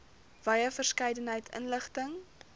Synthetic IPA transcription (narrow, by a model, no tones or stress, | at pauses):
v̥ɐjəfərskɛjdənɦəjtʰə̰nləχtəŋ